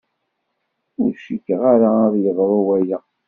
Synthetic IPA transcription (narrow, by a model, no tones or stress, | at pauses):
ʊɾʃikːʁaɾaðˤjəðɾˤɑwæja